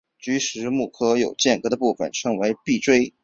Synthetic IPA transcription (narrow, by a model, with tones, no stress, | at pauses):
t͡ɕy˧˥ʂɻ̩˧˥mu˥˩kʰɤ˥jo˨˩ʊt͡ɕjɛ˥˩nkɤ˧˥d̪ə˧pu˥˩fə̰˨˩nʈ͡ʂʰɤ˧˥ŋwe˧˥ɪpi˥˩ʈ͡ʂwe˥ɪ